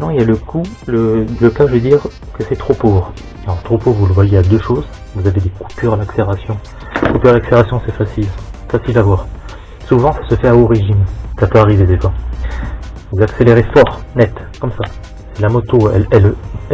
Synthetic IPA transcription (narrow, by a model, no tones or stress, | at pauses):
t̪nɑ̃iljaləkʰuləələkaʒəved̪iʁ | kəsɛt̪χopovʁ | ɑ̃t̪χopovʁvuləvwajead̪øʃoːz | vuzaved̪eku̥pyʁalakseeʁasjɔ̃ | kupyʁalakseeʁasjɔ̃sɛfasilfasilavwaʁ | suvɑ̃sḁsəfɛaoʁeʒimsapøaʁived̪efwa | vuzakseleʁefɔʁnɛt̪kɔmsa | sɛlamɔt̪oɛ̰lɛl